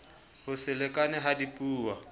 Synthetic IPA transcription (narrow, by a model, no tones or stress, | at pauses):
hʊsɪlɛkʼanɛɦadipʼuːwa